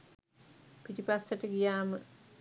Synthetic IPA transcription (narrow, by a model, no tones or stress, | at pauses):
piʈipasːəʈəɡijaːmə